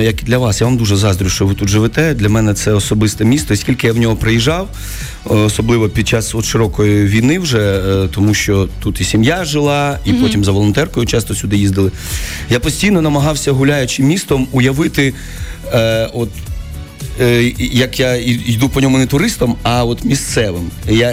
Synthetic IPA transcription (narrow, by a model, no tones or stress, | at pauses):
jɐkd̪lʲɐʋɑsjaʋamd̪uʒɛzɑzd̪ɾʊʃt͡ʃɔʋɪt̪ut̪ʒɪʋɪt̪ɛd̪lʲɐmɛnɛt̪sɛɔsɔbɪst̪ɛmʲist̪ɔsʲkʲilʲkɪjawnʲɔɦɔpɾejiʒɑw | ɔsɔblˠɪʋɔpʲid̪̚t͡ʃɑsɔt̪ʃɪɾɔkɔjʊʋʲijnɪwʒɛt̪ɔmuʃt͡ʃɔt̪ut̪isʲimjaʒɪlˠɑipɔtʲimzɐʋɔlˠɔnt̪ɛrkɔjʊt͡ʃɑst̪ɔsʲʊd̪ɪjizd̪ɪlˠɪ | japɔsʲtʲijnɔnɐmɐɦɑwsʲɐɦʊlʲajʊt͡ʃɪmʲist̪ɔmʊjɐʋɪt̪ɪ | ɔt̪ | jɐkjaiid̪upɔnʲɔmʊnɛt̪ʊɾɪst̪ɐmɐɔt̪mʲist̪sɛʋɪmja